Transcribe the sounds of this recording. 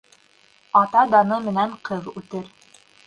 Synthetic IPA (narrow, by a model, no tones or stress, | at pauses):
ɑt̪ɑd̪ɑnɤmɘ̆næɴqɤðʉt̪ɘɾ